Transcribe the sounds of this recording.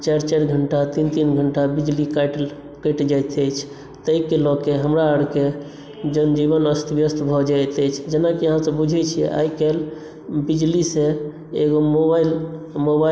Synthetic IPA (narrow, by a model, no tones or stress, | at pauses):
t͡ʃaɾt͡ʃaɾɡʱəɳʈat̪int̪inɡʱəɳʈabid͡ʒlikajʈl | kəjʈd͡ʒat̪əjt͡ʃʰ | t̪əikelɔkeɦəmɾaəɽke | d͡ʒənd͡ʒiβənəst̪ʰbjəst̪bʱɔd͡ʒajt̪ɛt͡ʃʰd͡ʒenakiəɦãsəbud͡ʒʱɛt͡ʃʰiɛ̰a̰jkel | bid͡ʒlise | eɡomobail | moba